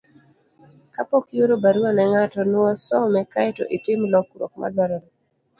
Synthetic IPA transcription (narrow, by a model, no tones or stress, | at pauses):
kapokjoɾobaɾuanɛŋatɔnwɔsɔmɛkaɪtɔ̰ʔitɪmlɔkuɾo̰kma̰dwaɾoɾo